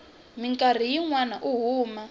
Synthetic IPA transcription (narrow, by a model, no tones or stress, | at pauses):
miŋkʼar̤ijiŋwanaʔuɦuːma